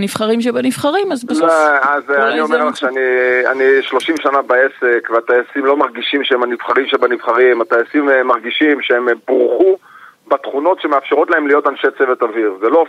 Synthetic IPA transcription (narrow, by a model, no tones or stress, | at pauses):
niv̥χaʁimʃ̬ebanivχaʁimazbaazanio̞meʁlaχʃeania̰niʃlo̞ʃimʃanabae̞sekveat̪aesimlo̞maʁɡiʃimʃeemanivχaʁimʃebanivχaʁimat̪aesimmaʁɡiʃimʃeemboʁχu | bat̪χuno̞tʃemeafʃeʁo̞tlae̞mlijo̞t̪anʃet͡se̞vet̪aviʁzelo